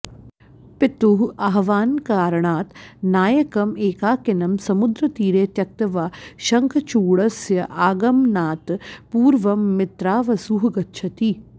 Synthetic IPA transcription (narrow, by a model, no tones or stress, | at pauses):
pɪt̪uɦɐɦʋaːnkaːɾɳaːt̪naːjɐkɐmeːkaːkɪnɐmsɐmʊd̪ɾɐt̪iːɾeːt̪jɐk̚t̪ɐʋaːʃɐŋkʰɐt͡ʃuːɽɐsjɐʔaːɡɐmnaːt̪puːɾʋɐmːɪt̪ɾaːʋɐsuːɦɡɐt̪t͡ʃʰɐt̪iː